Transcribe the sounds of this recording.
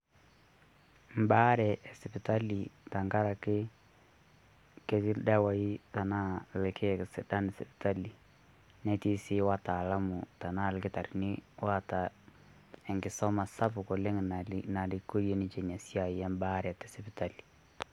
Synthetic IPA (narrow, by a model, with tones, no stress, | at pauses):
m˨ba˦ɾɛ˨ɛ˨sɪ˨pɪ˨ta˦li˨ta˨ŋɡa˦ɾa˨kɪ˦ | ke˦kɪ˦lda˦wa˨i˦ta˨na˦lkʰɪ˦˨kɪ˨sɪ˨da˦nɛ˨sɪ˨pɪ̥˨ta˦li˨ | nɛ˦ti˦sɪ˦wa˦ta˨la˦mʊ˨ta˨na˦˨lkɪ˦ta˨ɾnɪ˦wa˦ta˨ | ɛ˨ŋɡɪ˨sɔ˦ma˨sa˦pʊ˨kʊ˨lɪ˦ŋ˨na˨lɪ˨ko˦ɾje˦nɪ˦t͡ʃe˨ɲa˨sja˨jɛ˦m˦ba˦ɾɛ˨tɛ˨sɪ˨pɪ˨ta˦li̥˨